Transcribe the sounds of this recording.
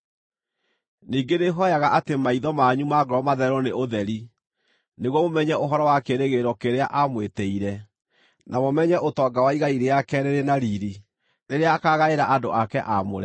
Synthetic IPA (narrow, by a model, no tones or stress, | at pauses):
niːɡeneɦɔjaɣaʔatemaiðɔmaɲumaɡɾɔmaðɛɾɔneʔoðɛɾi | neɣwɔmomɛɲɛʔoɦɔɾɔwakeɾeɣeɾɔkeɾeaʔamwetɛiɾɛ | namomɛɲɛʔotɔːɡawaiɣaiɾeakɛɾeɾenaɾiːɾi | neɾeaːkaɣaeɾaʔadoʔakɛʔamoɾɛ